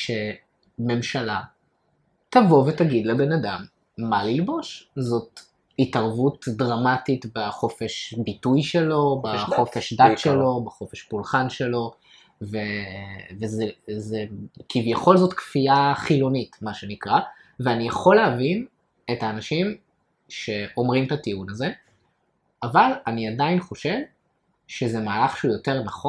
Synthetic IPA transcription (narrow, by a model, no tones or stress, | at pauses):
ʃe̞ | me̞mʃala | tavo̞vetaɡid̪lebe̞nadamː | alilbo̞ʃzo̞t | itaʁvutdʁamatitbaχo̞fe̞ʃbitujʃelo̞baχo̞feʃdatʃelo̞baχo̞feʃpulχanʃe̞lo̞ | vevezezekivjeχo̞lzo̞tkfiaχilo̞nitmaʃe̞nikʁa | veanijaχo̞leavin | etaːnaʃim | ʃe̞ʔo̞mʁimtatiunaze̞ | avalaniadainχo̞ʃe̞v | ʃezemaːlaχʃeujo̞te̞ʁnaχo